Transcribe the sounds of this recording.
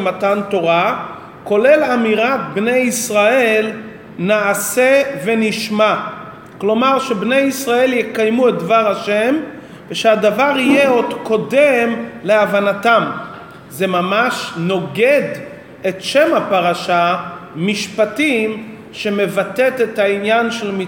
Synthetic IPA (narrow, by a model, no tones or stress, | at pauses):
mat̪ant̪o̞ʁa | ko̞le̞lamiʁat̪̚bnejisʁae̞l | naːseve̞niʃma | klo̞maʁʃebne̞jisʁae̞ljekajmuet̪̚d̪vaʁaʃem | veʃead̪avaʁijeo̞d̪ko̞demle̞avanatam | ze̞mamaʃno̞ɡe̞d̪ | e̞tʃe̞mapaʁaʃamiʃpat̪im | ʃe̞me̞vat̪e̞t̪et̪ainjanʃe̞lmi